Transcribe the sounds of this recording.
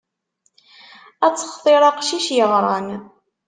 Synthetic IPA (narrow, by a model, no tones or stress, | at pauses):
æt͡sːə̥χθˤeɾˤɑqʃiʃjəʁɾˤɑn